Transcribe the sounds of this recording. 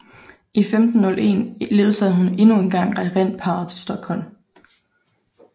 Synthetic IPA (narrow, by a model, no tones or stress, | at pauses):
ʔifemd̥n̩ːɔ̽lʔe̝̰ːnleːðˠsɛðˠɦune̝nue̝nɡ̥ɑ̈ŋ̰ʁɛʁen̰pʰɑ̈ːð̩ˠt͡sʰe̝sd̥ɒ̽ɡ̥hɒ̽l̰m